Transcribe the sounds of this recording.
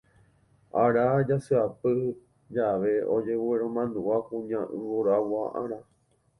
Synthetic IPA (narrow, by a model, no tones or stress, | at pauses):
aɾad͡ʒasɨapɨ | d͡ʒaʋe̞od͡ʒe̞βueɾ̃õmãnd̪uʔakũɲãʔɨ̃βoɾawwaʔã̰ɾ̃ã